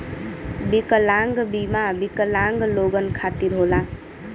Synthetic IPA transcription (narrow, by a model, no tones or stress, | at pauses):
bikəlaŋɡbimabikəlaŋɡloɡənkʰat̪iɾɦola